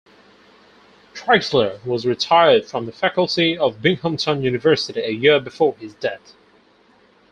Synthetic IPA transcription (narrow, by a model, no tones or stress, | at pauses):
tʰɹ̥aɪkslə˞wʌzɹɨtʰaɪə˞d̥fɹʌ̃mðəfækl̩ˠtiʌvbɪ̃ŋhə̃mtʰə̃njʉnɨvɜ˞sɨɾiɨjɪɹbɨfɔɹɪzdɛθ